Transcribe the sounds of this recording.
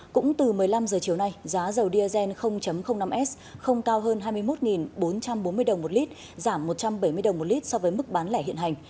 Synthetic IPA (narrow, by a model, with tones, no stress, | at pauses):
kʊ̰˧˥ŋ͡mt̪ɨ˨˩mɨ˨˩əjla˧mzəː˨˩t͡ɕi˨˩əwna˧jzaː˨˦zə˨˩wɗi˧ʔəː˧zɛ˧nxə˧wŋ͡mt͡ɕə˨˦mxə˧wŋ͡mna˧mʔɛ˦˥s | xə˧wŋ͡mkaː˧wɦəː˧nɦaː˧jmɨ˧əjmo˦˥t̚ŋi˨˩nɓo˨˦nt͡ɕa˧mɓo˨˦nmɨ˧əjɗə˨˩wŋ͡mmo˨˩t̚li˦˥t̚ | zaː˧˩mːo˨˩t̚t͡ɕa˧mɓə˧˩jmɨ˧əjə˨˩wŋ͡mmo˨˩t̚li˦˥t̚sɔ˧vəː˨˦jmɨ˦˥k̚ɓaː˨˦nlɛː˧˩hḭ˧˨ənɦa˨˩ŋ̟